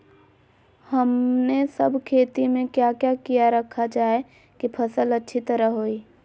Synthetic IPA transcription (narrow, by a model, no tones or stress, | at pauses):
həmnesəbʱkʰeːt̪imẽkjakjakijaɾəkʰad͡ʒaːe | kipʰɐsələtːʃʰit̪əɾəɦɦoːiː